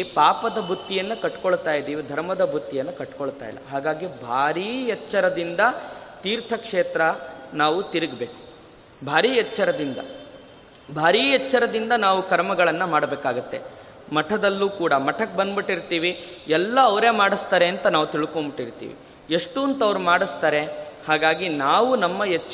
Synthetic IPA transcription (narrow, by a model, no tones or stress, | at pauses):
paːpɐd̪ɐbʱut̪ːijɐnːɐkɐʈːkoɭt̪aːjid̪iːʋid̪ʱɐɾmɐd̪ɐbʱut̪ːijɐnːɐkɐʈkoɭt̪a̰ːjḭlɐ̰ɦaːɡaːɡibʱaːɾiːɛt͡ʃːɐɾɐd̪ind̪ɐt̪iːɾt̪ʰɐkʂeːt̪ɾɐnaːʋut̪iɾiɡbeːku̥ | bʱaːɾiːɛt͡ʃːɐɾɐd̪ind̪ɐ̰ | bʱaːɾiːɛt͡ʃːɐɾɐd̪ind̪ɐnaːʋukɐɾmɐɡɐɭɐnːɐmaːɽɐbeːkaːɡut̪ːe | mɐʈʰɐd̪ɐlːuːkuːɽɐmɐʈʰɐk̚bɐnd̪biʈːiɾt̪iːʋi | ɛlːɐːʋɾe̞ːmaːɽist̪aːɾe̞ɐnt̪ɐnaːʋut̪iɭkombiʈːiɾt̪ḭːʋḭ | eʂʈunt̪ɐʋɐɾumaːɽist̪aːɾehaːɡaːɡinaːʋunɐmːɐjɛt͡ʃː